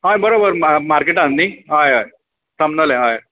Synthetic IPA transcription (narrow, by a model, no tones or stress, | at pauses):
ɦajbəɾobəɾmamaɾkeʈãnniɦajɦaj | səmnəlẽɦaj